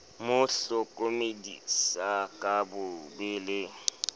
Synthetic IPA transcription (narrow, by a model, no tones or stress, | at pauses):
mʊɬʊkʼomedḭsakʼabʊbɪlɪ